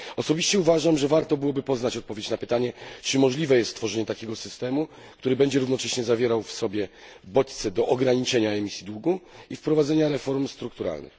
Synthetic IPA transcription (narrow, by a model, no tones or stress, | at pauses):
ɔsɔbʲiɕt͡ɕɛuvaʐamʐɛvaɾt̪ɔbɘwɔbɘpɔznat͡ɕɔt̪̚pɔvʲjet͡ɕnapɘt̪aɲɛt͡ʂɘmɔʐlʲivɛjɛst̪t̪ːfɔʐɛɲɛt̪akʲɛɡɔsɘst̪ɛmu | kt̪uɾɘbɛɲd͡ʑɛɾuvnɔt͡ʂɛɕɲɛzavʲjɛɾawfsɔbʲjɛ | bɔt͡ɕt̪sɛd̪ɔʔɔɡɾaɲit͡ʂɛɲaɛmʲisʲjid̪wuɡuifpɾɔvad̪zɛɲaɾɛfɔɾmst̪ɾuk̚t̪uɾa̰lnɘ̰x